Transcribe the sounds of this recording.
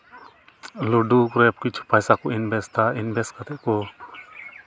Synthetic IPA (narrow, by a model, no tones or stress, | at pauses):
luɖukɾɛp̚kit͡ʃʰu̥pajsakɔinbɛst̪ainbɛskat̪ɛʔ̚kɔ